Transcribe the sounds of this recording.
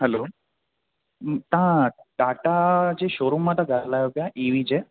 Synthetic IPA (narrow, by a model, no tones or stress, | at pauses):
ɦɛlo | t̪ãʈaʈad͡ʒeʃoɾumãt̪ãɡʱaɾlajopjaʔeʋid͡ʒe